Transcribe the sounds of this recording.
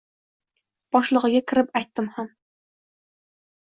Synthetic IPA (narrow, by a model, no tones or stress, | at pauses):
b̥ɒʃlˠɨʁɨɡʲakʲʰɪɾɪpajt̪ːɪmham